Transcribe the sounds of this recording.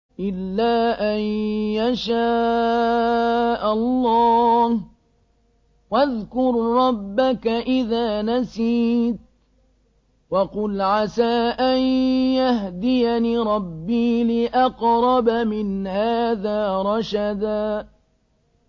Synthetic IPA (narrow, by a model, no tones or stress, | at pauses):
ʔɪlːaːʔanjaʃaː | ʔalːɑːh | waðkʊɾːɑbːakaʔɪðaːnasiːt̪̚ | wɑqʊlʕasaːʔanjaɦd̪ɪjaniːɾˤɑbːiːlɪʔɑqɾˤɑbamɪnhaːðaːɾˤɑʃad̪aː